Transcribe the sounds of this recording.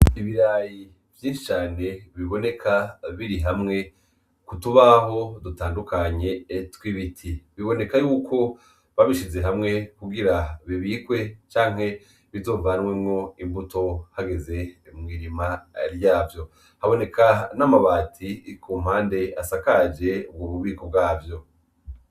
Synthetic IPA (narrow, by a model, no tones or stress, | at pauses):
iβiɾaji | vjiːnʃit͡ʃaːne̞βiβo̞ne̞kʰaβiɾiɦamŋe̞ | kutuβaɦo̞dutaːndukaɲe̞ːtwiβitʰiβiβo̞ne̞kajuːkʰo̞ | βaβiʃize̞ɦamŋe̞kuɡiɾaβiβikwe̞t͡ʃaːŋ̥he̞ | βizo̞ːɱvanwemŋo̞imbuto̞haɡe̞ze̞imŋiːɾimaɾjaːvjo̞ | haβo̞ne̞kʰanamaβaːtʰikʰuːm̥haːnde̞asakad͡ʒe̞ubɡoβuβiːko̞b̚ɡwaːvjo̞